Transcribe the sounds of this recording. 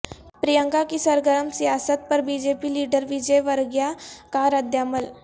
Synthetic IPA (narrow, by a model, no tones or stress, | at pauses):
pɾijə̃ŋkakisəɾɡəɾəmsijaːsət̪̚pɐɾbid͡ʒepiliːɖəɾʋid͡ʒəjʋəɾɡjakaɾəd̪ʱjaːməl